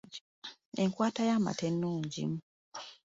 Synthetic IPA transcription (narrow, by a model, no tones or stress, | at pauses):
e̞ŋkwaːtajaːma̰tenːuːɲɟḭmu